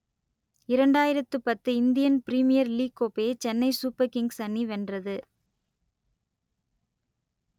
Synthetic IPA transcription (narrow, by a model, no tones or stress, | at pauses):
ɪɾɐɳɖaːjɪɾɐt̪ːɯpɐt̪ːɯɪnd̪ɪjɐnpɪɾiːmɪjɐɾliːkːoːpeːt͡ʃɛnːɐɪsuːpːɐkɪŋɡsɐnːiʋɛndrɐðɯ